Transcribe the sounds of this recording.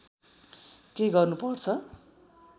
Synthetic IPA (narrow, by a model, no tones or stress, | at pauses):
keɡʌrnupʌrt͡sʰʌ